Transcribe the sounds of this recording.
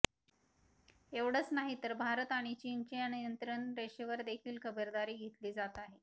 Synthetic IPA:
eʋɽ̤ət͡snaɦit̪əɾbʱaɾət̪aɽ̃it͡ɕint͡ɕiənijənt̪ɾəɳɾeɕeʋəɾd̪ekʰiːlkəbəɾd̪aɾiːɡʱet̪liːd͡zat̪aɦe

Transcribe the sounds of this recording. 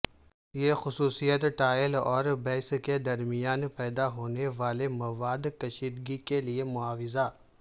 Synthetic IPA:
jexʊsuːsijət̪ʈaːjəlɔːɾbɛːsked̪ɐɾmijaːnpɛːd̪aɦoːneʋaːlemɐʋaːd̪kɐʃiːd̪ɡikeliemʊaːʋɪza

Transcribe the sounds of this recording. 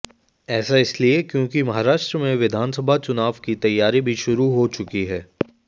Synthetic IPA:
ɛːsaɪsliekjõːkimɐɦaːɾaːʃʈɾəmẽʋɪd̪ʱaːnsəbʱat͡ʃʊnaːʋkit̪ɐjːaːɾibʱiʃʊɾuɦot͡ʃʊkiɦɛː

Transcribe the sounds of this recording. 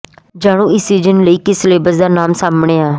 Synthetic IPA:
d͡ʒaːɽ̃ũːɪsiːd͡ʒənləiːkɪsleːbəzd̪aːnaːmsaːmɳeːaː

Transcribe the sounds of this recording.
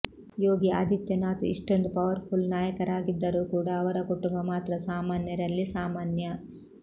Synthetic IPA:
joːɡia̰ːd̪it̪jɐnaːt̪uiʂʈond̪upɐʋɐɾpʰulnaːjɐkɐɾaːɡid̪ːɐɾuːkuːɽɐːʋɐɾɐkuʈumbɐmaːt̪ɾɐsaːmaːnjɐd̪ɐlːisaːmaːnjɐ

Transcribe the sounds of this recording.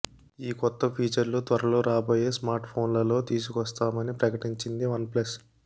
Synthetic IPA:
iːkɔt̪ːɐpʰiːt͡ʃɐɾlut̪ʋɐɾɐloːɾaːbo̞ːje̞ːsmaːɾʈpʰo̞ːnlɐlo̞ːt̪iːsukʋɐst̪aːmɐnipɾɐkɐʈiɲt͡ʃind̪iʋɐnplɐs

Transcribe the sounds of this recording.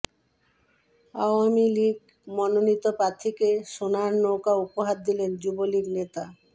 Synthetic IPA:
aoamiliɡ | mɔnonit̪opɾat̪ʰːikeʃonaɾnokaupoɦad̚d̪ilend͡ʑuboliɡnet̪a

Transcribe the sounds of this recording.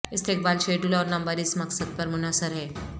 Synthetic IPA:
ɪst̪eːk̚baːlʃeːʈʊlɔːɾnɐmbəɾɪsmɐksəd̪̚pɐɾmʊnaːsəɾɦɛː

